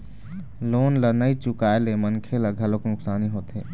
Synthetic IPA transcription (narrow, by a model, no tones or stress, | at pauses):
loːnlənəit͡ʃʊkaelemənkʰeləɡʱəloknʊksaːniɦoːt̪ɦe